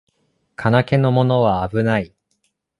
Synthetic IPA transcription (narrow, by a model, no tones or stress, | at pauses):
kʰanake̞no̞mo̞no̞β̞aːbɯ̟nai